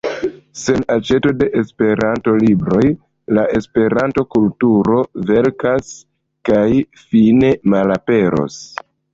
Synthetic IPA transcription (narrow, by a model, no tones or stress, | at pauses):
se̞nat͡ʃe̞to̞de̞ʔespe̞ɾanto̞libɾo̞j | laʔe̞spe̞ɾanto̞kultuɾo̞ve̞ɾkas | kaj | fine̞malape̞ɾo̞̰s